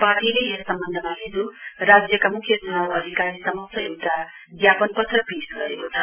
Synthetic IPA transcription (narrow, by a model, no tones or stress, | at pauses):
parʈileesʌmbʌnd̪ʱʌmaɦid͡zuɾad͡zjʌkamukʰːjʌsunalʌd̪ʱikaɾisʌmʌsʌewʈa | ɡjapʌnpʌt̪rʌbisɡʌɾekot͡sʰʌ